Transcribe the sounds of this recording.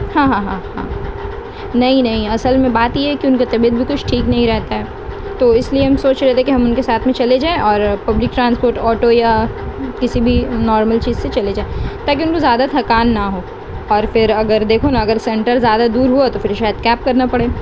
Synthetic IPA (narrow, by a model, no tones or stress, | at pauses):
hãːɦãːɦãːɦã̰ː | nɐɦĩnɐɦĩɐsəlmẽbaːt̪jeɦɛkiʊnkat̪ɐbiːəd̪̚bʱikʊt͡ʃʰʈʰiːknɐɦĩɾɛɦt̪aɦɛː | t̪oːɪslieɦɐmsoːt͡ʃɾɛɦt̪ẽkiɦɐmʊnkesaːt̪ʰmẽt͡ʃɐled͡ʒaːẽʔɔːɾpɐblɪk̚ʈɾãːnspoːɾʈɔːʈojakɪsibʱinɔːɾməlt͡ʃiːzset͡ʃɐled͡ʒaːet̪aːkiʊnkozjaːd̪at̪ʰɐkaːnːaɦoː | ɔːɾfɪɾɐɡəɾd̪eːkʰonaɐɡəɾsɛ̃ɳʈəɾzjaːd̪ad̪uːɾɦuat̪ofɪɾʃaːjəd̪̚kɛːp̚kɐɾnapɐɽeː